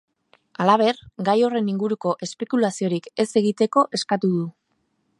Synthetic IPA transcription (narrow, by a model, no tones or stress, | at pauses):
alaβ̞e̞rɡajo̞re̞niŋɡuɾuko̞ʔe̞spe̞kulasio̞ɾike̞se̞ɣit̪e̞ko̞ʔe̞skat̪uðu